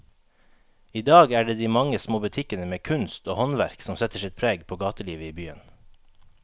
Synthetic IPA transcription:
iːd̪ɑːɡæːɖeːd̪iːmɑŋəsmoːbʉt̪ʰɪkənəmeːkʰʉnst̪oːhɔnʋæɾksɔmsɛt̪əʃɪt̪̚pʰɾeːɡpʰoːɡɑːt̪əliːʋəiːbyːə̰n

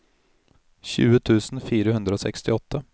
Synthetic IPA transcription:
ɕʉ̰ːət̪ʰʉːsnfiːɾəɦɵnd̪ɾəoːsɛ̰kst̪ɪɔt̪ʰːə

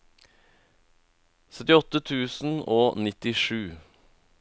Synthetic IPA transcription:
sœt̪ɪɔt̪ət̪ʰʉːsn̩oːnɪt̪ɪʂʉː

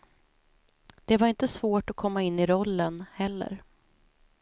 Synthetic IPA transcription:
d̪̥ɛvaɾɪnt̪əsvoːʈɔkʰɔmːaɪnːɪɾɔlːənhɛlːə̰ɾ

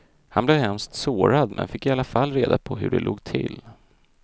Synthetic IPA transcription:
hanblɛːvɦɛmst̪soːɾad̪mʔɛ̰nfɪkːɪalːafalːɾeːd̪apʰɔɦɵ̰ɖɛloːɡt̪ʰɪlː

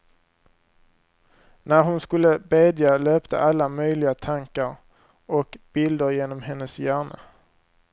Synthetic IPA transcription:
næɾɦʊnskɵlːəbeːd̪jaløːpt̪ʰə̰ʔalːamœjlɪɡat̪ʰaŋkaɾ | ɔkb̥ɪld̪əɾjeːnɔmɦɛnːəsjæːɳa̰

